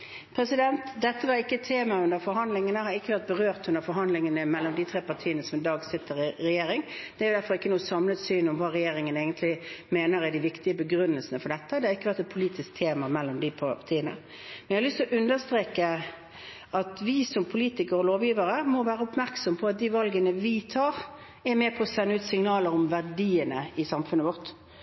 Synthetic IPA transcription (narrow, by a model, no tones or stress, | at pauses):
pʰɾɛsɪd̪ɛnt̪d̪ɛt̪ːəʋɑɾɪkːəɛt̪ʰeːmɑʉnəɾfɔɾɦɑnd̪lɪŋənəhɑɾɪkːəʋæɾt̪̚bəɾøːʁt̪ʉnəɾfɔɾɦɑnd̪lɪŋənəmɛlːɔmd̪ɪt̪ʰɾeːpɑt̪ʰiːənəsɔmɪd̪ɑːɡsɪt̪ʰːəɾɪɾɛjeːɾɪŋd̪̥ɛæɾjʊd̪æɾfɔɾɪkːənuːəsɑmlət̪syːnɔmʋɑːʁɛjeːɾɪŋəneːɡənt̪ʰlɪmeːnəɾæɖ̪ɪʋɪkt̪ɪəbəɡɾʉnːəlsənəfɔɾɖɛt̪ːəd̪ɛhɑɾɪkːəʋæʁt̪ɛt̪̚pʰʊliːt̪ɪsk̚t̪ʰeːmɑmɛlːɔmd̪ɪpʰt̪ʰiːənə̰ | mɛnjɛhɑlʏst̪ɔʔʉnd̪əʁst̪ɾeːkə | ʔɑt̪ʋɪsɔmpʰʊliːt̪ɪkəɾɔloːʋjiːʋəɾəmɔʋæːɾəʊpmæɾksɔməpʰɔɑt̪̚d̪iːʋɑlɡənəʋɪt̪ʰɑːʁ | ɛmɛːpʰɔːsɛnːəʉːt̪sɪŋnɑːləɾɔmʋæʁɖiːənəɪsɑmfʉnːəʋɔʁt̪